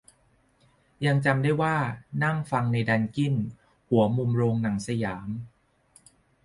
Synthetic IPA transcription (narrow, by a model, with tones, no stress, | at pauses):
ja˧ŋt͡ɕa˧mdaː˥˩jwaː˥˩na˥˩ŋfa˧ŋna˧jda˧nki˥˩n | hu˩˦ɐmu˧mɾoː˧ŋna˩˦ŋsa˧jaː˩˦m